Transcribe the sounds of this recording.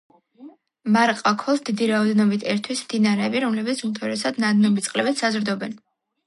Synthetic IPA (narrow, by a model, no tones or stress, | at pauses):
maɾqʼakʰɔsd̪id̪iɾaɔd̪ɛnɔbit̪ʰɛɾt̪ʰwismd̪inaɾɛːbiɾɔmlɛbɛt̪sumt̪ʰɔɾɛsad̪nad̪nɔbit̪sʼqʼlɛbɛt̪sazɾd̪ɔbɛn